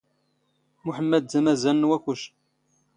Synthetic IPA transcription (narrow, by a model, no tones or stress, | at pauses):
muħəmːæd̪̚zæmæzænːwæçuʃ